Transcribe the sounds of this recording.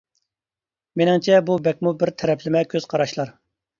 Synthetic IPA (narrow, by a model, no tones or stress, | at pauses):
menɪŋt͡ʃʰɛbubɛk̚ʲmubɪɾt̪ʰɛɾɛpʰlɪmɛkʲʰøz̥qʰɑɾɑʃlˠɑɾ